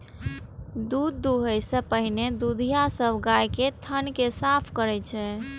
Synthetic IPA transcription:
d̪ud̪ːuɦəjsəpəɦined̪ud̪ʱijasəbʱɡajket̪ʰənkesapʰkəɾɛt͡ʃʰɛ

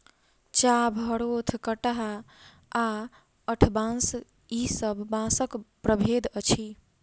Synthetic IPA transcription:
t͡ʃabʱəɽot̪ʰkəʈəɦaː | əʈʰbãs | isəbʱːãsəkpɾəbʱed̪ət͡ʃʰi

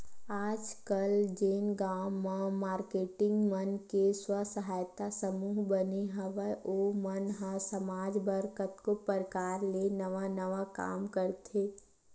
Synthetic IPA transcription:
aːd͡ʒkəld͡ʒeːnɡaːmãmaːɾkeːʈɪ̃ŋɡmənkeswəsəɦaːjt̪asəmuːɦbəneɦəʋəʔomənɦə̃səmaːd͡ʒbəɾkət̪kopəɾkaːɾlenəʋanəʋaka̰ːmkəɾt̪ʰeː

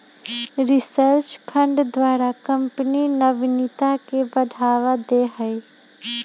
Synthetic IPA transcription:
ɾɪsəɾt͡ʃpʰə̃ɳɖd̪waːɾakə̃mpninəbnɪt̪akebəɖʱaːʋad̪eɦəj

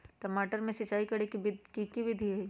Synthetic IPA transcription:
ʈɐmaːʈəɾmẽsɐt͡ʃaːikɐɽekkikiʋɪd̪ʱiɦɛ

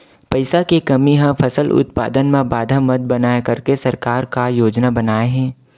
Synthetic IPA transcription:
pɐɪsakekɐmiɦãpʰɐsəlʔʊ̰t̪pa̰ːd̪ənmẽbaːd̪ʱamɐd̪̚bɐnaːjakɐɾkesɐɾkaːɾkajoːd͡ʒnabɐnaːeɦɛ̃ː

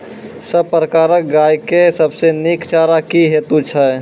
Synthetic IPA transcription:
səb̚pɾəkaːɾək̚ɡaːjkesəbsenikt͡ʃaːɾakiɦeːt̪ut͡ʃʰə

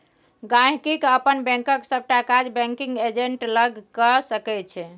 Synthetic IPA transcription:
ɡãɦkikəpənbɛ̃ŋkəksəb̚ʈakad͡ʒbɛ̃ŋkiŋɡed͡ʒeɳʈləɡkəsəkɛt͡ʃʰɛ

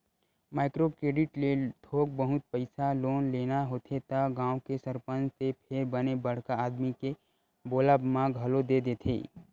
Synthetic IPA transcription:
maːɪkɾokɾeːɖɪʈlet̪ʰoːk̚bəɦʊt̪̚pəɪsaloːnleːnaɦoːt̪ʰet̪əɡãːõkesəɾpənd͡ʒt̪epʰeːɾbənebəɽ̤kaaːd̪mike | boːləbmãɡʱɐlod̪ed̪eːt̪ʰḛː

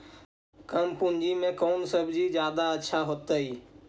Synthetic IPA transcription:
kəmpʊnd͡ʒimẽkoːnsəbʱd͡ʒid͡ʒjaːd̪aəːʃʰaɦot̪əiː

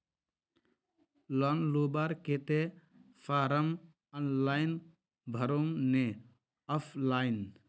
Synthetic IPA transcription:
lɔnlobaɾket̪e | fʰaːɾəm | ənlaːjn | bʱəɾomne | əpʰlaːjn

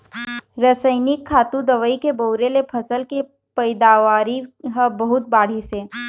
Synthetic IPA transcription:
ɾəsəɪnɪkʰːaːt̪ũd̪ɐʋəikeboʊɾelepʰɐsəlke | pɐɪd̪aːʋaːɾiɦɐbɐɦʊt̪̚baːɽ̤iseː

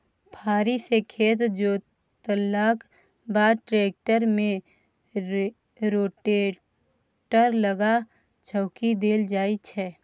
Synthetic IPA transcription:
pʰaːɾisekʰeːt̪d͡ʒoː | t̪əlːaːk | baːʈɾeːk̚ʈəɾmẽ | ɾoːʈeː | ʈəɾləɡa | t͡ʃʰəʊkid̪eːld͡ʒaːit͡ʃʰɛ

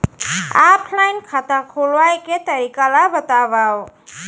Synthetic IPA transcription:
apʰlajnkʰat̪akʰulwajket̪əɾikalabət̪abaw

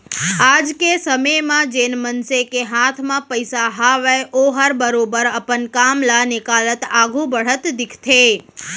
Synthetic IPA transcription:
ad͡ʒkesəməjmãd͡ʒenmənsekeɦat̪ʰmãpəjsaɦaʋeʔoɦəɾbəɾobəɾəpənkamlanekalət̪aɡʱũbəɽ̤ət̪d̪ɪkʰt̪ʰe

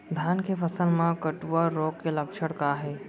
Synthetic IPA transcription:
d̪ʱaːnkʰefəsəlmãkəʈuʋaɾoːkkːeləkʃəɽkaːɦeː

